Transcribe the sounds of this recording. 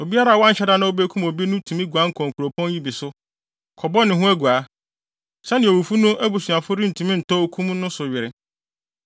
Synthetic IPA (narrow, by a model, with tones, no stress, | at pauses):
o˨bi˦a˦ɾa˨wɔ̃˦n̩˨t͡ɕʰɛ˦da˦nã˦o˦be˦kʰũ˦mo˨bi˦nʊ̃˦tʰũ˨mĩ˦ɡu˨a˦ŋ̩˦kʰɔ̃˨ŋ̩˨kʰu˨ɾo˨pʰɔ̃˦n˦ji˦bi˨sʊ˦ | kʰɔ˨bɔ˦nɪ̃˨ɦʊ̃˦æ˦ɡu˨a˨˦ | sɛ˦nɪ̃˨o˨wu˨fu˦nʊ̃˦ʔæ˦bu˨su˨a˨fʊ˦ɾi˦n̩˨tʰũ˨mĩ˦n̩˨tʰɔ˦o˦kʰũ˦m˦nʊ̃˦sʊ˨ɥɪ˨ɾɪ˨